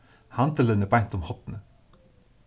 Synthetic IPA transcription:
hɑnt̪ələnəbɑɲt̪ʊmhɔt̪n̩ə

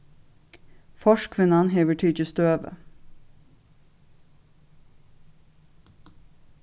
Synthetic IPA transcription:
fɔʃkʰʋɪnɑnɦeːʋəʈʰiːt͡ʃəst̪øːʋə̰

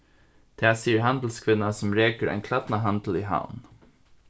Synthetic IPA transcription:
t̪ʰɛːsiːəɹɦand̪l̩skʰvɪnːasʊmɾeːkəɾʔa̰ɪnkʰlat̪naɦant̪l̩iɦa̰wn

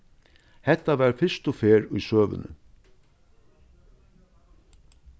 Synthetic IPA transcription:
hɛt̪ːaʋæːɾfɪst̪ʊfeːɾʊjsøːʋʏ̰nʏ̰

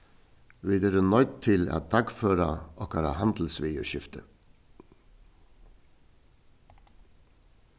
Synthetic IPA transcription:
ʋiːd̪əɾənɔʏt̪t̪ʰɪlɑ̰t̪̚d̪ʰɑɡføːɾɑʔɔkʰɑːɾɑ̰hɑnd̪l̩sʋiːʉ̰ʃɪft̪ə

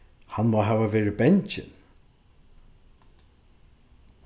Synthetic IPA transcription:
hãnmoːɦawəvɛɹəbɛnt͡ʃɪ̰n

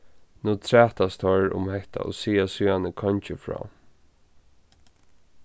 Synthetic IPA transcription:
nuːt̪ʰɾɛːht̪ast̪ʰɔɹʊ̰mhɛht̪a̰o̰siːasyːanəkʰɔɲt͡ʃɪfɹɔ̰ː

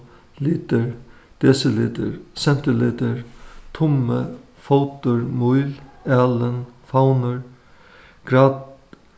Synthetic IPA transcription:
liːt̪əɾ | d̪̥ɛsəlɪ̰ːd̪ə̰ɹsɛn̥t̪əlɪd̪əɾt̪ʰʊmə | fowt̪ʊɾmujlɛːlənfawnəɹ | ɡ̥ɾat̪

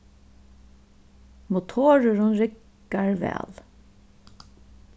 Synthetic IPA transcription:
mʊt̪ʰoːɹəɹʊnɹɪkː | aɹvɛ̰ːl

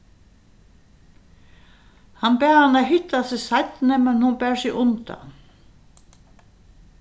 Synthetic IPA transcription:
hanpɛːɾhanːaðɦʏht̪ːasɪsajt̪nɪmɛnhunpɛːɾ̥sɪɣʔʊnt̪a̰n

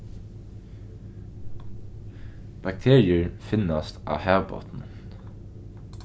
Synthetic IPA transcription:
b̥ɑk̚t̪ʰeːɹɪəɹfɪnɑst̪ʔɑ̰ːhæːʋbɔ̰t̪n̩

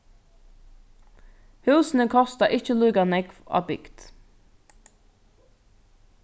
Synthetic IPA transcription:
hʉːsn̩əkʰɔst̪əʔɪçəlʉːɡɑnɛɡfo̰ːbʏ̰ɡ̥d̪̥

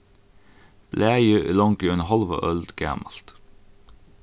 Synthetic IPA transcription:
b̥læːjəʔlɔŋkːœnhɑlʋə̰ʔœld̪ɡæ̰ːmɑlt̪

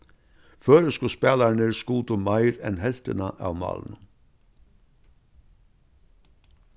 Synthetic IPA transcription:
føːɾəskuspeːlæɳəɾskuːt̪ʊmæɪɾɛnhɛlt̪ənəʔɑ̰ʋmɑ̰ːln̩

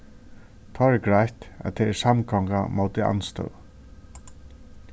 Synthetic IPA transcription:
t̪ʰɔːɛɾɡɹajt̪æ̰t̪ʰːɛɛsamkʰɔŋkamoʊt̪ɪa̰nst̪œ̰ʊ

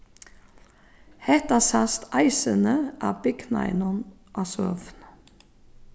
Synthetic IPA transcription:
hɛt̪ɑsɑst̪ʔɑɪsənəʔɑ̰ːbɪɡnɑ̰ɪnɔn | ʔɑːsø̰ːfn

